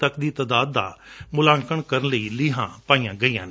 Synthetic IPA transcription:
t̪əkd̪iːt̪əd̪aːd̪ːa̰ːmʊlãːŋkəɳkəɾənləiːlɪːɦã̰ːpaːiːjãːɡəijãːn

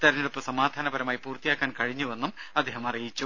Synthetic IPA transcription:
t̪ɐɾɐɲːilupːomsɐmaːd̪ʱaːnɐbɐɾɐmaːjipuːrt̪ːijaːkːaːnkɐɻiɲːuʋe̞nːumɐd̪ʱːeːɦɐmɐrijit͡ɕːu

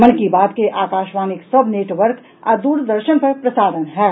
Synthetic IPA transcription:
mənkibaːd̪keʔaːkaːʃʋaːnɪksɐbʱneːʈʋəɾk | a̰ːd̪uːɾd̪əɾʃənpɐɾpɾəsaːd̪ənɦɛː

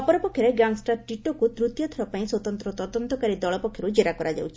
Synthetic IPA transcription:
ɔpɔɾɔpɔkkʰjɔɾeɡaŋsʈaɾʈiʈokut̪ɾut̪jɔt̪ʰɔɾɔpaĩswɔt̪ɔnt̪ɾɔt̪ɔd̪ɔnt̪ɔkaɾid̪ɔɭɔpɔkʰːjɔɾud͡ʒeɾakɔɾad͡ʒa̰wt͡ʃʰi̥

